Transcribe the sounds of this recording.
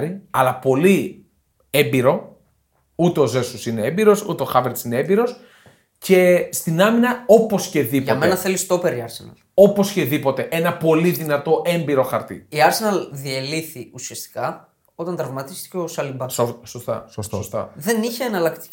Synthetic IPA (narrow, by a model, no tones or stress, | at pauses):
ɾiɐlɐpo̞li | embiɾo̞ | ut̪e̞o̞ze̞susineembiɾo̞sṵt̪e̞oxɐveɾt̪sineembiɾo̞s | ce̞st̪inɐminɐo̞po̞sce̞ðipomenɐθelist̪o̞peɾiɐɾsenɐ̰ | o̞po̞sce̞ðipo̞t̪e̞ʔe̞nɐpo̞liðinɐt̪o̞ʔe̞mbiɾo̞xɐɾt̪ḭiɐɾsenɐðieliθiusiɐst̪i̥kɐ | o̞t̪ɐnt̪ɾɐvmɐt̪ist̪i̥ceosɐlimbɐssost̪ɐ̰sossost̪ɐ̰ðe̞niçeɐnɐlɐkt̪i̥